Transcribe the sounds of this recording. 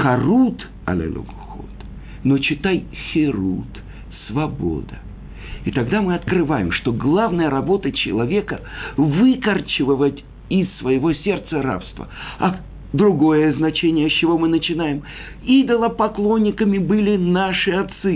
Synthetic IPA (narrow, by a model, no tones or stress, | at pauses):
xɐrut̪ | ɐ̰lʲḛlʲʔo̰ɡ | xo̰t̪ | no̞t͡ɕɪt̪ajxʲɪɾut̪ | svɐbo̰d̪ə | it̪ɐɡd̪amɨɐt̪kɾɨvajɪ̰mʂt̪o̞ɡlˠavnəjəɾɐbo̞t̪ət͡ɕɪ̰lˠɐvʲe̞kəvɨkərt͡ɕɪvəvətʲ | ɪsːvəjɪvo̞sʲe̞rt̪səɾa̰pst̪və̰ɐ | d̪ɾʊɡo̞jəznɐt͡ɕenʲɪjəst͡ɕːɪvo̞mɨnət͡ɕɪnajɪm | id̪əlˠəpɐklˠo̞nʲːɪkəmʲɪbɨlʲɪnaʂɨɐt̪sɨ